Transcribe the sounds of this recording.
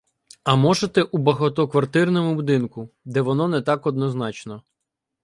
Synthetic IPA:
ɐmɔʒet̪ɛʔubɐɦɔt̪ɔkʋɐrt̪ɪrnɔmʊbʊd̪ɪnkʊd̪ɛʋɔnɔnɛt̪ɑkɔd̪nɔznɑt͡ʃnɔ

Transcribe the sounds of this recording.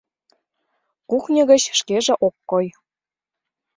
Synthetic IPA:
kuxnʲɤ̆ɣə̆t͡ɕʃkeʒĕʔokːɤj

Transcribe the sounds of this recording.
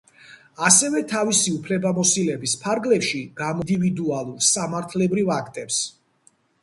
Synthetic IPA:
asɛvɛt̪ʰavisiupʰlɛbamɔsilɛbispʰaɾɡlɛpʃiɡ̥amɔd̪ivid̪ualˠuɾsamaɾt̪ʰlɛbɾivakʰt̪ʼɛps

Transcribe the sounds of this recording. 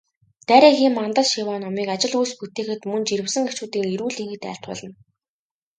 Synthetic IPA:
t̪æːɾʲiːxiːmːant̪ə̆ɮʃiwaːnɔmiːkat͡ɕɪ̆ɮujsput̪eːxɘ̆t̪mɵnt͡ɕiɾɘ̆wsɘ̆ŋet͡ɕuːt̪iːŋeɾuːɮiŋxɘ̆t̪æ̰ːɬt̪ʊ̰ːɮə̆n

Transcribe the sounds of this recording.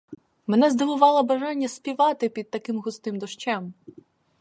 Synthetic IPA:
menɛzd̪ɪʋʊʋɑlˠɐbɐʒɑnʲːɐspʲiʋɑt̪ɪpʲid̪̚t̪ɐkɪmɦʊst̪ɪmd̪ɔʃt͡ʃɛm

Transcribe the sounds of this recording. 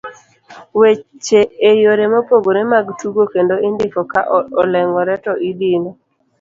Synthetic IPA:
wet͡ʃeːjoɾemopoɡoɾemaɡtuɡokendoindɪfɔkaʔɔlɛŋɔɾɛtɔʔid̪ɪnɔ

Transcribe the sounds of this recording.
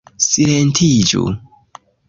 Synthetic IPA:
silentʰid͡ʒṵ

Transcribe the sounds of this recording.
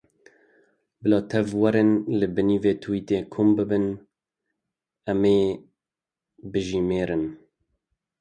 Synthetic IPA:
bɨlɑːt̪ʰɛvwɛɾenlɨbɨniːveːt̪ʰɨwiːt̪eːkʰumbɨbɨn | ɛmeː | bɨʒiːmeːɾɨn

